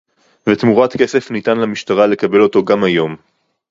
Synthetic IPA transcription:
vetmuʁatke̞se̞fnitanlamiʃtaʁale̞kabe̞lo̞to̞ɡamajo̞m

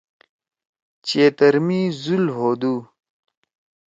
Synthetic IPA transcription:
t͡ɕeːt̪əɾmiːzulɦoːd̪uː

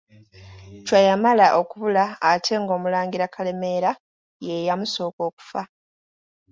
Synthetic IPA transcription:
cwajamalaʔo̞kuβulaːtʰe̞ŋɡo̞ːmulaːŋɡiɾakʰale̞me̞ɾa | jejamuso̞ːko̞ːku̥fa

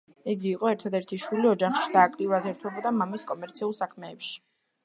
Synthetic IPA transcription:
ɛɡiːqʼɔɛɾt̪ʰad̪ɛɾt̪ʰiʃwiliɔd͡ʒaχʃid̪̥aːkʰt̪ʼiuɾad̪ɛɾt̪ʰwɛbɔd̪amamiskʼɔmɛɾt̪sʰiulˠsakʰmɛːpʃi̥

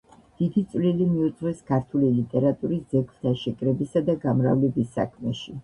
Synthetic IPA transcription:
d̪̥id̪it̪sʼvlilimiut̪sʼʁwɛskʰaɾt̪ʰulilit̪ʼɛɾat̪ʼuɾisd̪zɛɡlt̪ʰaʃɛkʼɾɛbisad̪aɡamɾa̰vlɛbisːa̰kʰmɛʃi

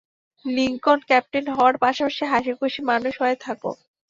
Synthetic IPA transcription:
liŋkonkɛp̚ʈenɦɔoaɾpaʃapaʃiɦaʃikoʃimanuʃɦɔet̪ʰako̰

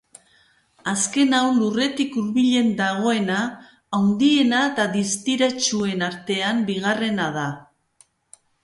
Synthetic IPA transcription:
aske̞nawnlure̞t̪ikuɾβiʎe̞nd̪aɣ̞o̞e̞naː | wnd̪ie̞naet̪aðist̪iɾat͡ʃue̞naɾt̪e̞ambiɣ̞are̞nað̞a

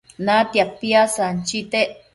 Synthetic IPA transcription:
nat̪japːiasant͡ʃit̪eʔ

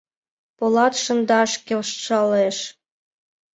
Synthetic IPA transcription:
polɑt̪ʃə̆nd̪ɑʃkelʃʃɑleʃ

